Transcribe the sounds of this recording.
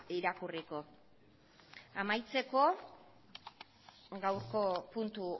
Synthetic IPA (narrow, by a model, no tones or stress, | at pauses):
iɾakuriko̞ | amajt͡se̞ko̞ | ɡawɾko̞punt̪u